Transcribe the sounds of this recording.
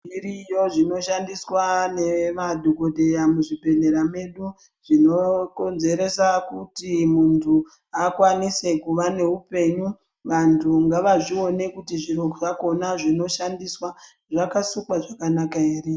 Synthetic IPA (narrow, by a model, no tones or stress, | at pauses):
iɾijo̞ʐino̞ʃandiswane̞madʱokodʱe̞jamuʐibʱe̞ne̞ɾame̞ɗu | ʐino̞ko̞nze̞ɾe̞sakutimuntʰu | akwanise̞kuʋane̞upe̞ɲu | ʋantʰuŋɡaʋaʐio̞ne̞kutiʐiɾokoʐako̞naʐino̞ʃandiswa | ʐakasukwaʐakanakaeːre